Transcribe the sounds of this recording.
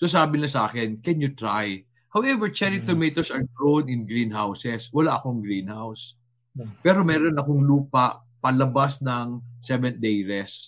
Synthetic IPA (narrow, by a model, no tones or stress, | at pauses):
sos̬aːbɪnlasɐʔa̰ːkɛnkɛnjʊt̪ɹaj | hawʔɛvɛɹt͡ʃɛɹit̪omet̪osɐɹɡɹownɪnɡɹinɦawsɛswɐlaʔɐkoɐŋɡɾinhaws | pɛːɾo̞mɛːɾo̞nɐkoŋluːpɐʔ | pɐlɐbasnɐŋsɛvɛnd̪ejɹɛs